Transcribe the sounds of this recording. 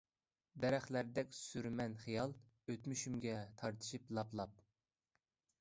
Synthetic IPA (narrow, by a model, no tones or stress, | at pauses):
d̪ɛɾæχlæɾd̪ɛkʲsyɾmɛnχijɑlˠ | øt̪myʃymɡʲɛt̪ʰɑɾt̪ʰɨ̥ʃiplˠɑplˠɑp̚